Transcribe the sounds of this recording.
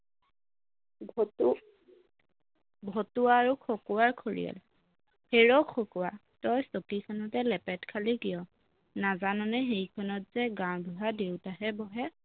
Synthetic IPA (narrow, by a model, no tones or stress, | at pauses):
bʱɔtuwaːɹukʰɔkuwaɹkʰoɹḭjɔ̰l | heɹɔkʰɔkuwa̰ | tɔjsɔkisanɔtɛlɛpɛtkʰalikijɔ | nazanɔnɛɦejkʰɔnɔtz̥ɛɡãwbʱuɦadewtaɦɛbɔɦɛ